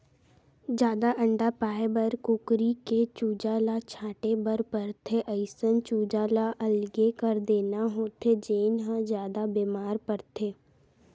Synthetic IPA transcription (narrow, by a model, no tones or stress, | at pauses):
d͡ʒjaːd̪aʔə̃ɳɖapaːebəɾkʊkɾiket͡ʃuːd͡ʒalat͡ʃʰaːʈebəɾpəɾt̪ʰeʔəɪsənt͡ʃuːd͡ʒaːlaʔəlɡekəɾd̪eːnaɦoːt̪ʰed͡ʒeːnɦãd͡ʒjaːd̪abeːmaːɾpəɾt̪ʰeː